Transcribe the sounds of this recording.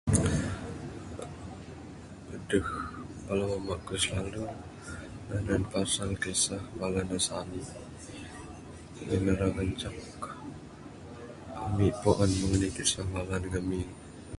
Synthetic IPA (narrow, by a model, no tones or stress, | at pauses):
ədəhkalawamakəslalu | nananpasalkesahmalanasani | ənəɾaŋəɲt͡ʃak | amiʔpoʔɔnməŋənit̪isaŋalanŋəmiŋ